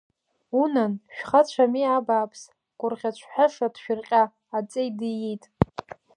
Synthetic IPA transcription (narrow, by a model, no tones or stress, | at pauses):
unanʃᶣχat͡ʃʷʰamiabaːpʰs | ɡ̥ʷʼʊrʁʲat͡ʃʷʰħaʂadʰʃᶣɪrqʲʼaː | t͡sʼejdijitʼ